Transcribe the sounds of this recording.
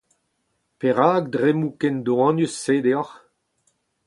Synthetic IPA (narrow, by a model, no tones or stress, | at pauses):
peʁaːɡ̚d̪ʁemukɛnd̪oɑ̃njysːeːd̪eɔʁ